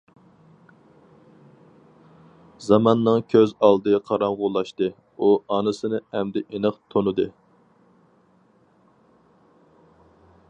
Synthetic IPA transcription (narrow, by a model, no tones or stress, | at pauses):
zɑmɑnːɨŋkʲʰøzɑlˠd̪ɨqʰɑɾɑŋʁʊlˠɑʃt̪ɨ | uɑnɨsɨnɨɛmd̪ɛʔenɨqt̪ʰonɨd̪ɨ